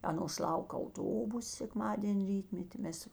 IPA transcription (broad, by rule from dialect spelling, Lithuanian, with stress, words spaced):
ˈɑːnoːs ˈlˠɐʊk ɐʊˈtoːbʊs sʲɛkˈmɑːdʲeːnʲ ˈrʲiːtʲmʲɛtʲɪ ˈmʲɛs